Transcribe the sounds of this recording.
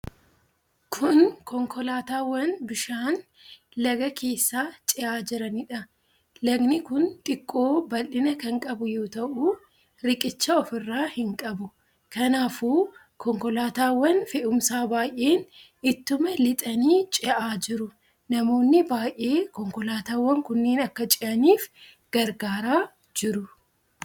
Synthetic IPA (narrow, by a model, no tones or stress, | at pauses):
kʰʊnkɔŋkɔlaːt̪aːwːɐnbɪʃaːn | lɐɡɐkʰe̞ːsːaːt͡ʃʼɪʔaːd͡ʒɪɾɐnɪᶑɐ | lɐɡnɪkʊnt̪ʼɪkʼːo̞ːbɐlːɪnɐkɐŋkʼɐbʊjoːt̪ɐʔʊ | ɾɪkʼɪt͡ʃːɐɔfɪrːaːhɪŋkʼɐbʊ | kɐnaːfuː | kʰɔŋkɔlaːt̪aːwːɐnfɛʔʊmsaːbaːjʔe̞ːn | ɪt̪ːʊmɐlɪt̪ʼɐniːt͡ʃʼɪʔaːd͡ʒɪɾʊ | nɐmo̞ːnːɪbaːjʔe̞ːkɔŋkɔlaːt̪aːwːɐŋkʊnːeːnɐkːɐt͡ʃʼɪʔɐniːf | ɡ̥ɐɾɡaːɾaː | d͡ʒɪɾʊ